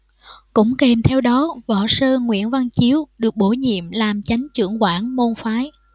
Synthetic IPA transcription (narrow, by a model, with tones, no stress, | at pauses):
kʊ̰˧˥ŋ͡mke˨˩mt̪ʰɛ˧wɗɔ˨˦vɔ̰˧˩səː˧ŋwḭ˧˨ənva˧nt͡ɕi˨˦əwɗɨ˨˩ək̚ɓo˧˩ɲḭ˧˨əmlaː˨˩mt͡ɕa˨˦jŋ̟t͡ɕɨ̰˧˩əŋkwaː˧˩nmo˧nfaː˨˦j